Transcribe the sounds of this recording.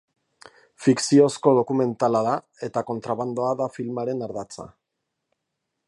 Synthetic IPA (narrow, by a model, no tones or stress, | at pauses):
fiksio̞sko̞ð̞o̞kume̞nt̪alaða | e̞t̪ako̞nt̪ɾaβand̪o̞aðafilmaɾe̞naɾðat͡sa̰